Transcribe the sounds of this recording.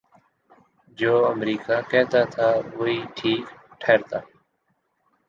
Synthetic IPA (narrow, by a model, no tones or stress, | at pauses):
d͡ʒoːəmɾiːkaːkɛːt̪aːt̪ʰaːʋoiːʈʰiːkʈʰeːɾt̪aː